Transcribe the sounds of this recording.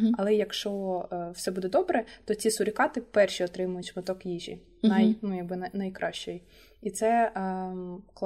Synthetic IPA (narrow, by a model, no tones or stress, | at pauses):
ɐlˠɛjɐkʃt͡ʃɔw̥sɛbud̪ɛd̪ɔbɾɛt̪ɔt͡sʲisʊɾʲɪkɑt̪ɪpɛrʃiɔt̪ɾɪmʊjʊtʲmɪt̪ɔkjiʒḭ | najnujɐɡ̚bɪnɐnɐjkɾʔɑʃt͡ʃɔji | it̪sɛ | kˠ